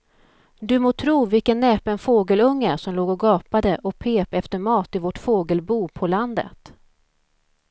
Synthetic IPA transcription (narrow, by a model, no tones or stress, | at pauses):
d̪ɵmoːt̪ʰɾuːvɪlkənːɛːpɛnfoːɡəlɵŋːəsɔmloːɡɔɡɑːpad̪əʔɔpʰeːpɛft̪əɾmɑːt̪ɪvɔʈfoːɡəlbuːpʰɔland̪ə̰t̪